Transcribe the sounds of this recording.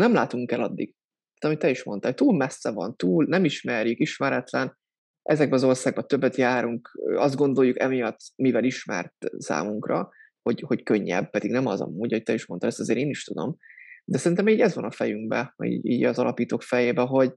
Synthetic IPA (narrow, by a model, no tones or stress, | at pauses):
nɛmlaːt̪uŋkɛlɒd̪ːiɡ̥̪ | aːt̪ɒmit̪ːɛiʃmo̞nt̪alt̪uːlmɛsːɛvɒ̰nt̪uːlnɛmiʃmɛrjykiʃmɛɾɛt̪lɛn | ʔɛzɛɡ̚bɛɒzo̞rsaːɡ̚bɒt̪øbːɛt̪jaːɾuŋkøɒzd̪̚ɡo̞nd̪o̞jːukɛmijɒt̪ːmivɛliʃmɛ̰rt̪sa̰ːmuŋkrɒ̰ | ho̞ɟhockøɲːɛ̰b̚pɛd̪iɡnɛmɒzɒ̰muːɟɒɦoc̚t̪ɛiʃmo̞nt̪ɑd̪ɛst̪ɒzeːɾeːniʃt̪ud̪o̞̰md̪ɛsɛɾint̪ɛmiːɟɛzʋɒnɒfɛjyŋɡbɛḭːɟḭːɟɒzɒlʔɒpiːt̪oːkfɛjeːbɛɦo̞ɟ